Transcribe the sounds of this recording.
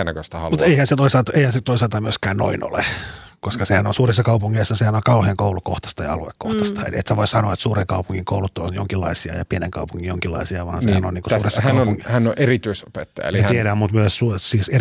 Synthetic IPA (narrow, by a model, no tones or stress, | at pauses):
nækøst̪æhɑlmut̪eihænset̪oisɑlt̪ɑeihænset̪oisɑlt̪ɑmyøskæːnno̰ino̰lḛkoskɑsehænonsuːrisːɑkɑupuŋːeisːɑsehænoŋkɑuheːŋkoulukoht̪ɑ̥st̪ɑjɑ̰ɑ̰luḛkko̰ht̪ɑst̪ɑḛlḛt̪seʋoissɑnoɑet̪suːreŋkɑupuŋːiŋkoulut̪ːo̰njo̰ŋkilːɑ̰isiɑ̰jɑ̰pieneŋkɑ̰upuŋːijoŋkilːɑ̰isiɑʋɑ̰ːnsehænonniːkosuːresːɑhæɑuoŋhænːoʔerit̪yisopet̪ːɑjɑ̰ḛmit̪iedæmut̪myøssusiːse